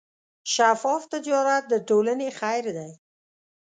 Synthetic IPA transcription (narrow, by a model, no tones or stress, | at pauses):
ʃafɔft̪əd͡ʒɑɾat̪̚d̪əʈolənexajɾd̪aj